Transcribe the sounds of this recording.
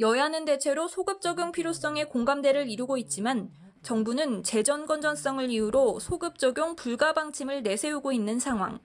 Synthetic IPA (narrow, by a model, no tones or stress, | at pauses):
jʌjanɯnde̞t͡ɕʰe̞ɾosʰoɡɯp̚t͡ɕ͈ʌɡjoŋpʰiɾjos͈ʌŋe̞koŋɡamde̞ɾɯɾiɾuɡoit̚t͡ɕ͈iman | t͡ɕʌŋbunɯnt͡ɕe̞d͡ʑʌnɡʌnd͡ʑʌns͈ʌŋɯɾiuɾosʰoɡɯp̚t͡ɕ͈ʌɡʲjoŋpuɭɡabaŋt͡ɕʰimɯɭne̞sʰe̞uɡoinːɯnsʰaŋɦwa̰ŋ